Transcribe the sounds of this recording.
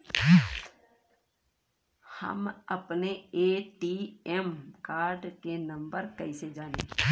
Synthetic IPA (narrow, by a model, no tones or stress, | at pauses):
hə̰məpneeːʈiːɛmkaːɾɖkenə̃mbəɾkəised͡ʒaːnḛː